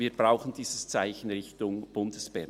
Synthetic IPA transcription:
viːɾbʁaʊxən̩d̥iːsəst͡saɪçn̩ʁɪçtʊŋb̥ʊndəsb̥ɛʁ

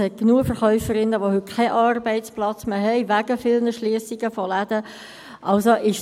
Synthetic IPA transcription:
hɛt̚ɡ̥nuəfəʁχœʏfəɾɪnːəʋohʏt̚kʰɛɪʔɑːrbɛɪtt͡splɑt͡smeːɦɛɪʋæɡəfɪlnəʃliəsiɡəfɔlæd̥̪ə | ʔɑlsoʔɪʃ

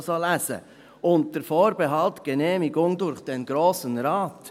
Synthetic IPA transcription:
sɑlæzə̰ | ʔʊnt̚d̥əɾfɔːɾbeɦɑltɡ̥ənɛːmɪɡʊŋdʊɾχd̥ɛnɡɾoːsənɾɑːt

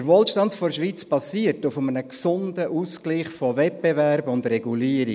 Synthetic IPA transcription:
əɾʋoːlʃtɑntfɔɾʃʋiːt͡sb̥ɑsiːətʊfəmənəksʊndəʔuːskliːχfɔvɛt̚b̥evæɾbʊndɾɛɡuliəɾi

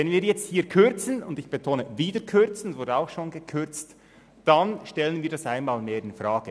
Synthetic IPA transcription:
vɛnviːɾjɛt͡sthiːkʰʏɾt͡sən̩ʊndɪçb̥etʰoːnəviːdəɾkʰʏɾt͡sn̩svʊɾdəaʊxʃoːnɡəkʰʏɾt͡st | d̥anʃtɛlənviːɾdasaɪnmaːlmeːɾɪnfraːɡ̥ə

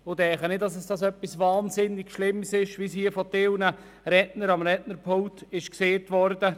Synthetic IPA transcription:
ʊdɛχənɪtdɑsɛsd̥ɑsœpːisvɑːnzɪnːɪɡʃlɪmːsɪʃʋishiːəfɔtɪlnə | ɾɛtnəɾɑmɾɛtnəɾpʰʊŋtɪʃkseːtvɔɾdə

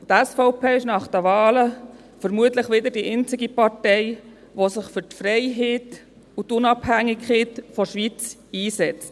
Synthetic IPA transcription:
tɛsfɔʊpʰeːɪʃnɑχd̥ɛʋɑːlə | fəɾmuətləχʋɪd̪ədiʔeɪnt͡sɪɡipɑɾtɛɪ | ʋosɪχfʏɾtfɾɛɪɦeːt | utʊnɑphæŋːɪkχeːtfɔʃʋit͡siːsɛt͡st

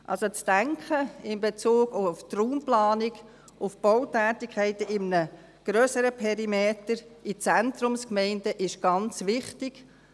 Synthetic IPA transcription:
ʔɑ̰lsot͡sd̥æŋkʰχəɪmbet͡suːɡʊftruːmplɑːnɪɡ | ʊfb̥ɔwtæːtɪkʰɛɪtəɪmnə | ɡ̥ɾøːsəɾəpʰɛɾimeːtəɾit͡sɛntɾʊmskmɛɪndəʔɪʃɡ̥ɑnt͡sʋɪχtɪɡ̥

